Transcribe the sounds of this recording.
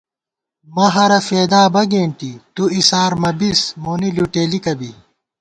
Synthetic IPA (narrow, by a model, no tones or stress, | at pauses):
mɐɦɐɾɐfeːd̪aːbɐɡeːɳʈit̪uisaːɾmɐbismoːniluʈeːlikɐbi